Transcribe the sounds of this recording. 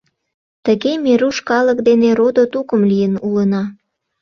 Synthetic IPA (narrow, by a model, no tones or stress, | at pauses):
t̪əɣemeɾuʃkɑlək̚d̪eneɾod̪ot̪ukəmlijənulənɑ